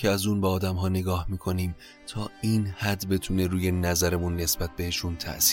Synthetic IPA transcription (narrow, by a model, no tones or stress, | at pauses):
eæzuːnbɛɒːd̪æmɦɒːne̞ɡɒːhmiːkʰo̞niːm | t̪ʰɒːiːnhæd̪be̞t̪ʰune̞ɾuːjenæzæɾemunːe̞sb̥æt̪̚be̞heʃunt̪ʰæ̰ʔsi̥ː